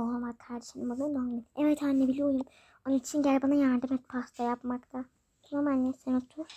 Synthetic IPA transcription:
ovakʰaɾd̪eʃɯnɯmbunɯnominɛvɛt̪ʰhanːebilʲiujum | onunit͡ʃʰinɟɛlʲbanajaɾd̪ɯmɛt̪̚pʰast̪ʰojapmakt̪ʰa | noɾmalʲːɛsenat̪ʰu

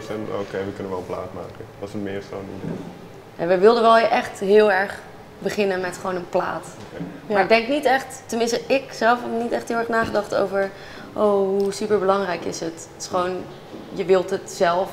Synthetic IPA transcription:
sɛno̰kejʋəkɵnənʋɛlˠəpla̰ːtma̰ːkənʋɑsətmɪːɹso̰ːnḭdḛj | ja̰ʋəʋɪlˠdənʋɛlˠʔɛχtɦɪːlˠɛɹχ | bəχɪnənmɛtχʋownənpla̰ːt | maɹɪɡ̚dɛŋknitɛχttənmɪnstəɪksɛlˠfənitɛχtɦɪːlˠɛɹχnaːχədɑχto̰wvəɹ | ʔowɦusypəɹbəlɑŋrɛjkɪsɦət | ɪ̥sχəʋown | jəʋɪlˠtɦətzɛlˠf

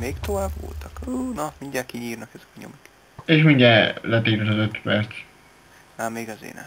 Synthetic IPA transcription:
meːkt̪ovaːbvo̰lt̪ɒkuːnɒmiɲdaːkiɲiːrnɒkɛzɛkɒɲo̰mik | eːʃmiɲɟɛlɛt̪eːɾɛlɒzøt̪pɛrt̪s | nɛmiɡɒzḛːnɛ̰

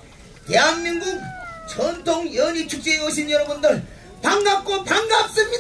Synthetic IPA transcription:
teɦanmiŋɡuk̚t͡ɕʌntʰoŋjʌɲit͡ɕʰuk̚t͡ɕ͈eeoɕʰinjʌɾʌbundɯɭ | paŋɡap̚k͈opaŋɡap̚s͈ɯmɲida

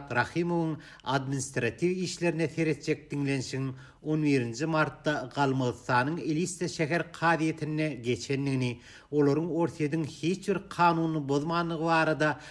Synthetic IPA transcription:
t̪ɾɑxiːmovuŋ | ɑd̪minist̪ɾɑt̪ʰiviːʃle̞ɾineθe̞ɾe̞t̪̚d͡ʒe̞k̚d̪iŋle̞nʃiɣiŋ | o̞nβiːɾind͡ʒimɑɾt̪ːɑɢɑlˠmɯðɯsθːɑːnɯŋelist̪eʃæɦeɾqʰɑːðije̞t̪ʰinːeɡe̞t͡ʃʰe̞nːiɣini | o̞lˠo̞ɾuŋo̞ɾθije̞d̪iŋhiːt͡ʃbiɾqʰɑːnuːnɯboðmɑːnd̪ɯʁɯβɑːɾɑd̪ɑ

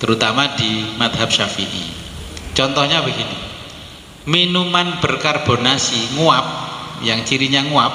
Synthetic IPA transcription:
t̪əɾut̪amadimat̪̚ɦap̚ʃafḭʔḭt͡ʃɔnt̪ɔhɲabəɡinḭ | minumanb̥ərkarb̥o̤nasiŋuap̚jaŋt͡ʃiɾiɲaŋuap̚

